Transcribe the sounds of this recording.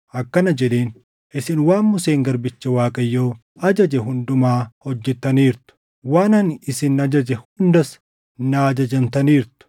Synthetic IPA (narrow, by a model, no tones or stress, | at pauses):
ʔɐkːɐnɐd͡ʒɛᶑe̞ːn | ʔɪsɪnwaːnmʊseːŋɡɐɾbɪt͡ʃːɐwaːkʼɐjːoː | ɐd͡ʒɐd͡ʒɛɦʊnd̪ʊmaːhɔd͡ʒːɛt̪ːɐniːɾt̪ʊ̥ | waːnɐnɪsɪnɐd͡ʒɐd͡ʒɛhʊnd̪ɐs | naːd͡ʒɐd͡ʒɐmt̪ɐniːɾt̪ʊ̥